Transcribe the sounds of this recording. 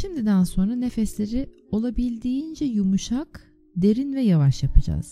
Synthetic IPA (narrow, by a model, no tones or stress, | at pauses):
ʃimd̪id̪ænso̞nɾane̞fɛslʲe̞ɾi | o̞lˠabilʲd̪iːind͡ʒɛjumuʃak | d̪e̞ɾinvɛjavaʃjapʰɯd͡ʒa̰z̥